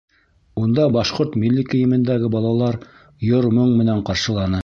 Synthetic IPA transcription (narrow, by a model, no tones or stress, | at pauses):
und̪ɑbɑʃqoɾt̪mʲilʲːikɵ̆jɘ̆mɘ̆nd̪æɡɘbɑlˠɑlˠɑɾ | joɾmɵɴmɘ̆næɴqɑɾʃɤ̆lˠɑnɤ